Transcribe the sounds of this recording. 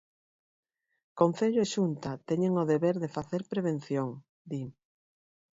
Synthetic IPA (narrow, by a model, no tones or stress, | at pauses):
kon̟θeʎʊeʃunt̪at̪eɲeŋoðeβeɾðefaθeɾpɾeβ̞en̟θjoŋ | d̪i